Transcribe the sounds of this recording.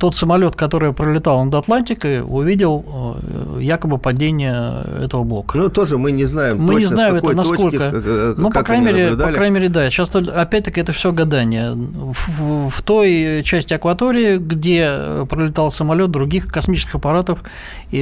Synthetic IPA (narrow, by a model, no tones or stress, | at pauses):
t̪o̞t̪səmɐlʲo̞t̪kɐt̪o̞ɾɨjəpɾəlʲɪt̪ɑlˠnəd̪ɐt̪lˠanʲtʲɪkəʊ̰vʲidʲɪlˠ | jakəbɨpɐdʲenʲɪjəɛ̰t̪əvəblˠo̞kə̥nut̪oʐɨmɨnʲɪznajɪmmɨnʲɪznajɪmɛt̪nɐskolʲkənupɐkɾanʲɪmeɾʲɪpɐkɾanʲɪmʲeɾʲɪd̪aɕast̪oɐpʲæt̚ʲt̪ːəkʲɪɛt̪əfsʲɪoɡɐd̪anʲɪjə | fft̪ojt͡ɕæsʲtʲɪɐkvɐt̪o̞ɾʲɪɪɡdʲe̞pɾəlʲɪt̪ɑlˠsəmɐlʲo̞t̪̚d̪ɾʊɡʲixkɐsmʲit͡ɕɪskʲɪxəpɐɾat̪əf | i